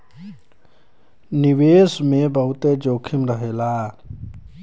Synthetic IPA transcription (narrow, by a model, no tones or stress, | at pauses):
niʋesmebəɦut̪ed͡ʒoːkʰimɾəɦela